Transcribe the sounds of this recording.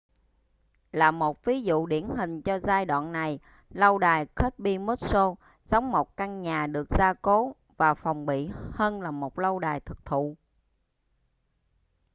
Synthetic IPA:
laː˨˩mo˨˩t̚vi˨˦zṵ˧˨ɗi˧˩ənɦï˨˩ŋ̟t͡ɕɔ˧zaː˧jɗwa̰ː˧˨nːa˨˩j | lə˧wɗaː˨˩jxə˦˥t̚ɓi˧mo˦˥t̚so˧ | zɔ˨˦wŋ͡mmo˨˩t̚ka˧ŋɲaː˨˩ɗɨ˨˩ək̚zaː˧ko˨˦ | vaː˨˩fɔ˨˩wŋ͡mɓḭ˧˨həː˧nlaː˨˩mo˨˩t̚lə˧wɗaː˨˩jt̪ʰɨ˨˩k̚t̪ʰṵ˧˨

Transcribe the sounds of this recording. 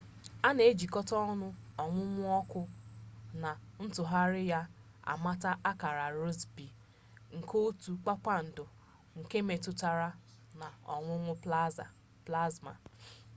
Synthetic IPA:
a˦ne˨e˦d͡ʒi˨kɔ˦tɔ˦nʊ˦ɔ˨ŋʷʊ˦ŋʷʊ˦ɔ˦kʊ˦na˨n̩˦tʊ˨ɦa˦ɾɪ˦ja˦ | a̰˨ma˦ta˦ʔa˦ka˨ɾa˨ɾo˦zbi˨ | ŋ̩˨ko˦tu˨k͡pa˦k͡pa˦n̩˨dʊ˨ | ŋ̩˨ke˦me˨tʊ˨ta˨ɾa˦ | na˨ɔ̰˨ŋʷʊ˦ŋʷʊ˦ | pla˦zma̰˨

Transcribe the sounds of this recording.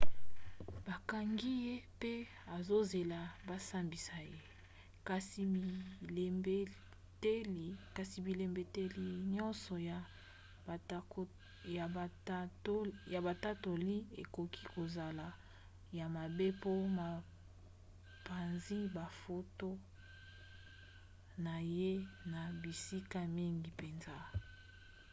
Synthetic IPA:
ba˨ka˨ŋɡi˦je˦pe˦ | a˨zo˦ze˨la˨ba˦sa˦mbi˨sa˨je˦ | ka˨si˨mi˨le˦ | te˦˨ka˨si˨bi˨le˨mbe˨te˦li˨ɲɔ˦nsɔ˨ja˨˦ | ja˨˦ | ja˨ba˨ta˦to˨li˦e˨ko˨ki˦ko˨za˨la˨ | ja˨ma˨be˦po˦ma˨ | pa˨nzi˦ba˨fo˦to˦ | na˨je˦na˨bi˨si˦ka˦mi˦ŋɡi˨pe˨nza˦

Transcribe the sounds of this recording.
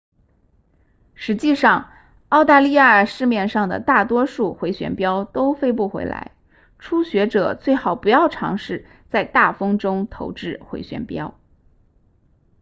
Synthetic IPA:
ʂɻ̩˧˥t͡ɕi˥˧ʂɑ˥˧ŋ | ɑ˥˧ʊt̪a˥˧li˥˧ja˥˩ə˨˩ʂɻ̩˥˧mjɛ˥˧nʂɑ˥˩ŋd̪ə̰˩t̪a˥˩t̪wɔ˥ʂu˥˩xwe˧˥ɪɕɥɛ̰˧˥npjɑ˥ʊt̪o˥ʊfe˥ɪp̬u˥˩xwḛ˧˥ɪla̰˧˥ɪ | ʈ͡ʂʰu˥ɕɥɛ˧˥ʈ͡ʂɤ˨˩t͡swe˥˩ɪxɑ˨˩ʊpu˧˥jɑ˥˩ʊʈ͡ʂʰɑ̰˧˥ŋʂɻ̩˥˧ | t͡sa˥˧ɪt̪a˥˩fɤ˥ŋʈ͡ʂʊ˥ŋt̪ʰo˧˥ʊʈ͡ʂɻ̩˥˩xwḛ˧˥ɪɕɥɛ̰˧˥npjɑ̰˥ʊ

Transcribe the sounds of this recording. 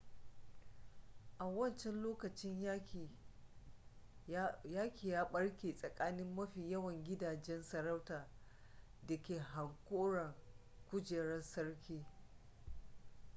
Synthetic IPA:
ʔa˨wɐ˦˨nt͡ʃɛ˦nloː˦kɐ˨t͡ʃɪ˦ɲj | jaː˦kʲiː˨jaː˦ɓɐ˦ɽkʲeː˨sʼɐ˨kʼaː˦nɪ˦mːɐ˦ɸiː˨jɐ˦wɐ˨ŋɡʲɪ˦daː˨d͡ʒɛ˦nsɐ˨ɾa˦wtaː˨ | dɐ˨kʲeː˨ɦa˨ŋkʷoː˦ɽɐ˨ŋ | kʷʊ˦d͡ʒeː˨ɽɐ˦nsɐ˦ɽkʲiː˦

